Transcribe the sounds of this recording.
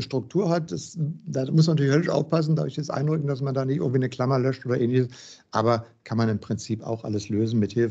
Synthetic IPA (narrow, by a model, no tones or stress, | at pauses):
əʃtʁ̥ʊk̚tʰuːɐhat̚d̥asd̥aːmʊs̬mantyːlɪçhœlɪʃʔa̰ʊfpas̬n̩dadʊɪçjɛsʔa̰ɪndʁʏkŋ̩d̥asmandaːnɪçʔɪ̰ɐŋ̩tv̥iːnəkl̥amɐlœʃtʔoːdɐʔɛːnlɪçəs | ʔa̰ːbɐ | kʰanmanɪmpʁ̥ɪnt͡siːpa̰ʊxʔa̰ləsløːzn̩mɪthɪlf